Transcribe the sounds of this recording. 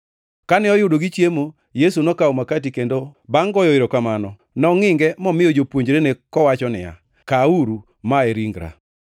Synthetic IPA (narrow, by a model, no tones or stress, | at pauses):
kanɪɔjʊdoɡit͡ʃjemo | jesunɔkaomakatikendobaŋɡɔjɔeɾokamanɔ | nɔŋɪŋɡɛmɔmɪjod͡ʒopwoɲd͡ʒɾenekɔwat͡ʃɔnɪ̰ja̰ | kauɾu | maeɾiŋɡɾa̰